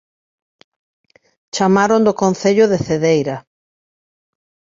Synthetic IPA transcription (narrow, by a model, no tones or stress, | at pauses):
t͡ʃamaɾõnd̪okonθeʎʊðeθeðejɾɐ